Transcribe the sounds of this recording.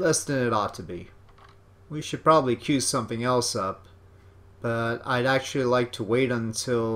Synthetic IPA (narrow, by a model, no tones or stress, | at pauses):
lɛstɨ̃nɨɾɔtʰɨbḭ | wiʃɨd̚pʰɹ̥ɑbəblikʰj̥ʉz̥sʌ̃mθɪ̃ŋɛlˠsʌp̚ | b̥ʌɾa̰ɪɾæk̚t͡ʃʉl̩ˠilaɪk̚tʰəweɪɾə̃ntʰɪlˠ